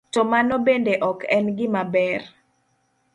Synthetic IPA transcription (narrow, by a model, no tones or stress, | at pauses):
tɔmanɔbendeʔɔkɛnɡɪmabɛr